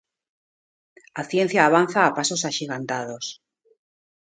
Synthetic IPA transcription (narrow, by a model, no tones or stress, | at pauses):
aθjen̟θjaːβ̞anθaːpasosaʃiɣant̪að̞os